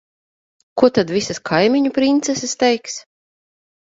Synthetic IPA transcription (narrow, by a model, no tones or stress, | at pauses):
kuɔt̪ad̪vʲisaskʰajmʲiɲupɾint̪sɛsɨst̪ɛjks